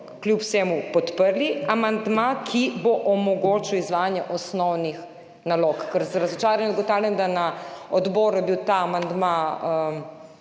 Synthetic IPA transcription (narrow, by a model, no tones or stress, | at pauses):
klʲjupwseːmupɔt̪pəɾliamand̪makʰiboʔɔmɔɡoːt͡ʃiwizʋaːjanjɛʔɔsnɔwnix | naloːkkəɾzaɾɐzɔt͡ʃaːɾanɛd̪ɡɔt̪awlʲjɛnd̪anaɔd̪bɔːɾujɛbiwt̪aːmand̪maə